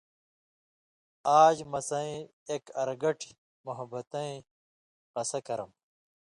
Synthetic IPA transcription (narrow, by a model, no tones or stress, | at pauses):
aːd͡ʑmɐsɐ̃ĩeːkɐɾɡɐʈʰi | muɦɐbɐt̪ɐ̃ĩ | qɐsɐkɐɾɐm